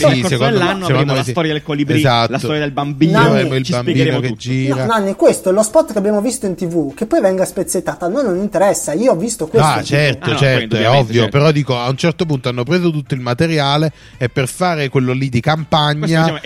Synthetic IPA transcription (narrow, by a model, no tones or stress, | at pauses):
isekonasekond̪omest̪ɔɾjadelkalibezat̪sːɔɾjad̪elbambivɾeːmoilbambiːnoked͡ʒːiːɾananːikwest̪oɛlospɔt̪ːkeabːjaːmovist̪oint̪ivukepːɔjvɛŋɡaspet̪sːet̪ːaːt̪anojnːonint̪eɾɛsːaiːoɔvːist̪okwesat͡ʃɛrt̪ot͡ʃɛɾoɛɔvːjopeɾɔd̪iːkoaunt͡ʃɛrt̪op̬unt̪oanːopɾeːzot̪ut̪ːoilmat̪eɾjaːleː | pːerfaːɾekwelːolid̪ikampaɲːa